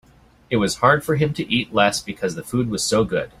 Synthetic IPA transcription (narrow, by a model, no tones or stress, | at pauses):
ɨt̚wʌz̥hɑɹd̥fə˞ɨ̃mtʰɨʔitˡlɛsb̥ɨkʰʌzðɨfʉd̚wʌz̥soʊɡʊd̥